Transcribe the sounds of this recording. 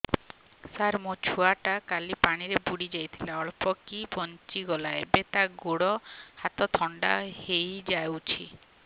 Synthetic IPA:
saɾmot͡ʃʰuaʈakalipaɽ̃iɾebuɽid͡ʒajt̪ʰilaɔɭpɔkibɔnt͡ʃiɡɔlaebet̪aɡoɽɔhat̪ɔt̪ʰɔɳɖa̰hejd͡ʒajwt͡ʃʰi

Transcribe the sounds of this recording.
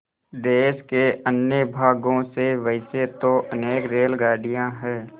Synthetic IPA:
d̪eːʃkeənjəbʱaːɡõseʋəɪset̪oʔəneːkɾeːlɡaːɽijãɦɛː

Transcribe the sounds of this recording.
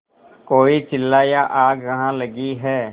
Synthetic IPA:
koːit͡ʃɪlːaːjaʔaːɡkɐɦãləɡiɦɛː

